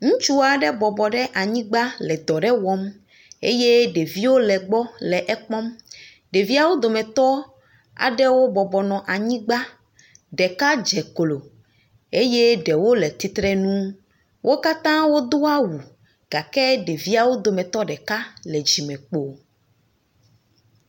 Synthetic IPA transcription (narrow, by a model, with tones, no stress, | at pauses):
ŋũ˦t͡ʃu˦a˨ɖɛ˦bɔ˨bɔ˨ɖɛ˦ʔa˨ɲĩ˦ɡ͡ba˦lɛ˨d̪ɔ˨ɖɛ˦wɔ˦m | ḛ˦je˦ɖe˨vi˦wo˦lɛ˨ɡ͡bɔ˦lɛ˨ʔɛ˦k͡pɔ˦m | ɖe˨vi˦a˨wo˦d̪o˨mɛ̃˨t̪ɔ˦ | a̰˨ɖɛ˦wo˦bɔ˨bɔ˨nɔ̃˨ʔa˨ɲĩ˦ɡ͡ba˦ | ɖɛ˨ka˦d͡ʒɛ˨klo˨ | e˦je˦ɖɛ˨wo˦lɛ˨t̪i˨t̪ɾɛ˦nũ˦ | wʔo˦ka˦t̪ã˦wo˦d̪o˦a˦wu˨ | ɡ̥a˨kɛ˦ɖe˨vi˦a˨wo˦d̪o˨mɛ̃˨t̪ɔ˦ɖɛ˨ka˦lɛ˨d͡ʑi˨mɛ̃˨k͡po˨